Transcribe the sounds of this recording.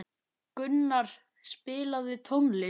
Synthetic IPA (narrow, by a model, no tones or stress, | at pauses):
kʏnːaɾ̥ | spɪːlaðʏt̪ʰowmlɪ